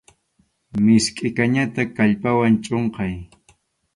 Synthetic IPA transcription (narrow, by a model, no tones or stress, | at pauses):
mɪskʼɪkaɲat̪akaʎpawant͡ʃʼoɴqɑj